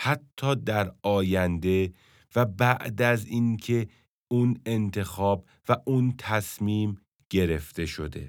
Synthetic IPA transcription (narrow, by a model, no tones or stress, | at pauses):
hæt̪ʰːɒːd̪æɾɒːjænd̪e̞ | væbæʔd̪æzinkʰe̞ | une̞nt̪ʰe̞xɒːb | væʔunt̪ʰæsmiːm | ɟ̥e̞ɾe̞ft̪e̞ʃo̞d̪e̞̰